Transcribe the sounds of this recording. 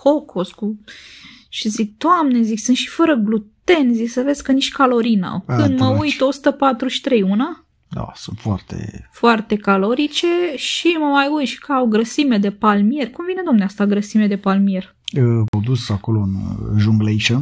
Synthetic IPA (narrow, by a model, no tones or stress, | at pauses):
hokʰosku | ʃizid̪oamnezikʲsɨnʃi̥fəɾəɡlut̪e̞nzikʲsəve̞zʲkəniʃʲkalo̞ɾina̰kɨnd̪məujt̪o̞su̥t̪əpat̪ɾuʃi̥t̪ɾe̞juna | d̪a̰sṵnt̪foart̪ḛfoart̪e̞kalo̞ɾit͡ʃe̞ʃiməmajujt̪ʃi̥kəawɡɾəsime̞d̪e̞palmije̞rʲkumvine̞d̪oamneast̪aɡɾəsimed̪e̞palmije̞r | əwd̪usakolo̞ɨnʒuŋɡlejʃə